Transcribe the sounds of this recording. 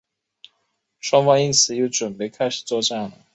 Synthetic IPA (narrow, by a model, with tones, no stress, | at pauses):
ʂwɑ˥ŋfɑ˥ŋi˥nt͡sʰɹ̩˨˥jo˧˥ʈ͡ʂwə˨˩npe˧˥ɪkʰa˥ɪʂ̩˨˩t͡swɔ˥˧ʈ͡ʂa˥˩ŋlə˨˦